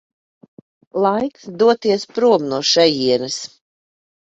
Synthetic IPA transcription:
lˠajksd̪uɔt̪iɛspɾuɔmnuɔʃɛjiɛnɨs

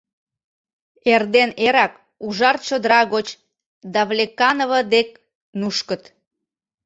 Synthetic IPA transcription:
erd̪eneɾɑk | uʒɑrt͡ɕod̪əɾɑɣot͡ɕ | d̪ɑβlʲekɑnoβəd̪ek̚ | nuʃkət̪

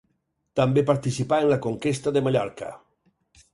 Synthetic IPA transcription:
t̪ambepaɾt̪isipaenlakoŋkest̪aðemaʎɔɾka̰

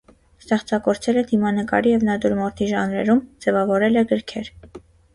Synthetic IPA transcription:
st̪ɛχt͡sɑkɔɾt͡sʰɛlɛd̪imɑnəkɑ̰ɾijɛvnɑd̪uɾmɔɾt̪ʰiʒɑnɾɛ̰ɾumd͡zɛvɑvɔɾɛlɛɡəɾkʰɛɾ

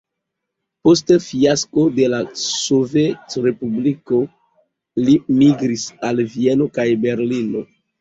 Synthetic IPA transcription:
postefiasko̞de̞laso̞vetɾe̞publiko̞ | limiɡɾisalvie̞no̞kajbe̞ɾlino̞

